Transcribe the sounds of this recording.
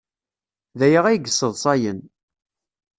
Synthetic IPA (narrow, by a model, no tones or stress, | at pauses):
ðæjəʁæjɡəsəðˤsˤɑjən